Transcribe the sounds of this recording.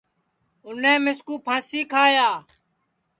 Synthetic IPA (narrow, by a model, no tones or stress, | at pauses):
ʊnẽːmɪskuːpʰãːsiːkʰaːjaː